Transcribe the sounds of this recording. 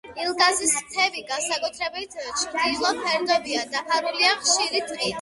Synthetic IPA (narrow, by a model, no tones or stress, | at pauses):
ilˠɡazist̪ʰɛviɡansakʼut̪ʰɾɛbit̪ʰt͡ʃʰɾd̪ilˠɔpʰɛɾd̪ɔbiad̪apʰaɾuliaχʃiɾit̪ʼqʼit̪